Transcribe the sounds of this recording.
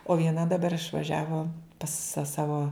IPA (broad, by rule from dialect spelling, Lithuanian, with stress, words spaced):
oː ʋʲiɛˈnɐ dɐˈbɐr ɪʃʋɐˈʒʲæːʋoː pɐs sɐ ˈsɑːʋoː